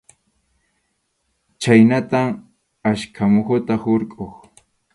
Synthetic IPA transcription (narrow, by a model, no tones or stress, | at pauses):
t͡ʃajnat̪aŋ | aʃkʰamʊχʊt̪ahʊɾkʼoχ